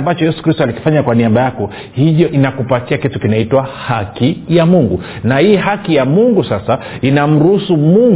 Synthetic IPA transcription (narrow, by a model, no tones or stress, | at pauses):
mbat͡ʃɔjɛsu̥kɾistualiki̥faɲakwaniaɓajakɔ | hiʄɔʔinakupatiakitukinaitwahakijamuŋɡu | nahiːɦakijamuŋɡusasa | inam̩ɾuhusumuŋ